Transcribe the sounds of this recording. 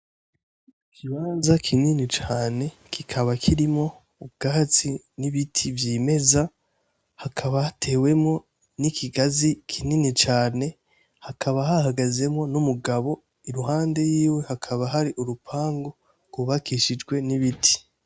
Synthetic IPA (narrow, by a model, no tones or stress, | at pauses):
kʰiβaːnzakʰininit͡ʃaːne̞ | kikʰaβakʰiɾimŋo̞ | ub̚ɡat͡si | niβitʰivjiːme̞za | hakʰaβahatʰe̞ːwe̞mŋo̞ | nikʰiɡazikʰininit͡ʃaːne̞ | hakʰaβaɦahaɡaze̞mŋo̞numuɡaβo̞ | iɾuɦaːnde̞jiːwe̞hakʰaβaɦaɾiʔuɾupʰaːŋɡo̞ | ɡ̥wuβakʰiʃid͡ʒɡwe̞niβitʰi̥